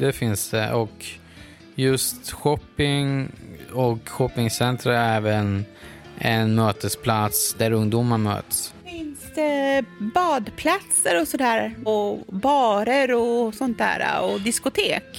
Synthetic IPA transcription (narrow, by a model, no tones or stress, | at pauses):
d̪̥ɛfɪnsd̪̥ɛʔɔk | jɵst̪ɧɔpːɪŋ | ɔkɧɔpːɪŋsɛnt̪ɾaɾɛːvən | ɛnmøːt̪əspʰlat̪sd̪æɾɵŋd̪uːmaɳmø̰ːt̪sfɪnsd̪̥ɛbɑːd̪pʰlat̪səɾɔsɔd̪æːɾɔbɑːɾəɾɔsɔnt̪æ̰ːɾa̰ɔd̪ɪskʊt̪ʰeːk